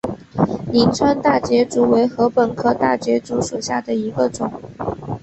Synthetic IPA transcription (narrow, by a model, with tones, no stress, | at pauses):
li˧˥nt͡sʰwa˥nt̪a˥˩t͡ɕjɛ˧˥ʈ͡ʂu˨˥we˧˥ɪxɤ˧˥pə˨˩nkʰɤ˥˧t̪a̰˥˩t͡ɕɥɛ˧˥ʈ͡ʂu˧˥ʂu˨˩ɕja̰˥˩d̪ə˩i˧˥ɡə˧ʈ͡ʂʊ˨˩˦